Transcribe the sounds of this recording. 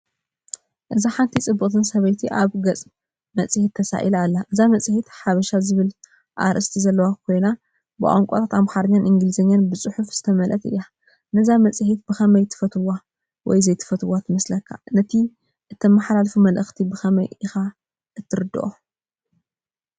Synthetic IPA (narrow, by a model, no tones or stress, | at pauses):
ʔɨzaħant̪ʰit͡sʼɨbːɨkʼt̪ʰɨnsɐβɐjt̪ʰiʔaβɡɐt͡sʼ | mɐt͡sʼhit̪ʰːɐsa̰ʔilalːaʔɨzamɐt͡sʼɨhit̪ħaβɐʃazɨβɨl | ʔa̰ɾʔɨst̪ʰizɐlːɐwakʰo̞jna | bɨʔʼoŋkʼot̪ʰat̪amxaɾɲːanʔɨŋɡɨlɨzɐɲːanbɨsʼɨħufz̥ɨt̪ʰɐmɐlʔɐt̪ɨ̰jːa | nɐzamɐt͡sʼhit̪̚bɨxɐmɐjt̪ʰɨ̥fɐt̪ʰwa | wɔ̰jzɐjt̪ʰɨ̥fɐt̪ʰɨwat̪ʰɨmɐslɐkʰːa̰nɐt̪ʰi | ʔɨt̪ʰːɐmaħlalfumɐlʔɨxt̪ʰibɨxɐmɐ̰jɪxa | ʔɨt̪ʰːɨɾɨd̪ɨ̰ʔo